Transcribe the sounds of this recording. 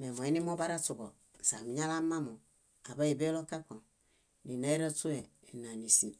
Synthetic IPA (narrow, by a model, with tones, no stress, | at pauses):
me˨mo˨i˦ni˦mo˦ba˦ɾa˦tu˨ɡo˨ | n̩˨sa̰˨mi˨ɲa˦la˦ma˦mo˨ | a˨ba˦i˨be˦lo˦ka˦ko˨n | ni˨na˦e˦ɾa˦tu˦e˨ | e˨na˨ni˨si˨